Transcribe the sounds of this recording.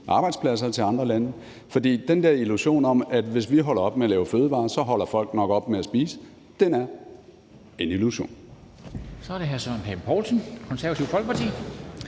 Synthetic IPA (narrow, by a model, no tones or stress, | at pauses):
ʔɑ̈ːb̥ɑ̈ɪd̥spʰlæs̬ɐt͡sʰe̝ɑ̈nd̥ʁɐlænə | fɒ̽d̥ḭːd̥end̥eɐiluɕo̝̰ːnɒ̽mæd̥ʋe̝sʋiɦɒ̽lɐɒ̽b̥meælɛːʊføːð̞ˠəʋɑ̈ːsɒ̽ɦɒ̽l̰ɐfɒ̽l̰ɡ̥nɒ̽ɡ̥əɒ̽b̥meæsb̥ḭːsə̥ | d̥enæɐ | e̝niluɕo̝̰ːn | sɒæɐɾeɦæsɔnɦempʰɒːlsʰnkʰɔnsæɐʋæt͡sʰiʊ̰fɒ̽lɡ̥əpʰɑt͡sʰḭː